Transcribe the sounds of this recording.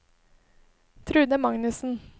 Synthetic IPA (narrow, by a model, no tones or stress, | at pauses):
t̪ʰɾʉːd̪əmɑŋnʉsn̩